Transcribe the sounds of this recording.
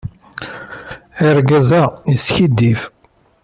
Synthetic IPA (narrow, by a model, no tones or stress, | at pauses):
iɾɡæzæisçid̪ːif